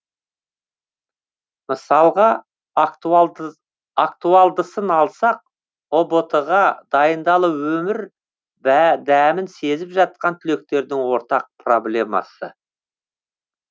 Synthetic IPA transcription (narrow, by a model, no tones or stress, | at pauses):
məsɑlˠʁɑ | akt̪uɑlˠd̪əsənɑlˠsɑq̚ | o̞bo̞t̪əʁɑd̪ɑjənd̪ɑlˠəwɵmɪɾ | d̪æmɪnse̞zɪpʒɑt̪̚qɑnt̪ʰʏle̞k̚t̪e̞ɾd̪ɪŋwo̞ɾt̪ɑq̚pʰro̞blʲe̞mɑ̰sə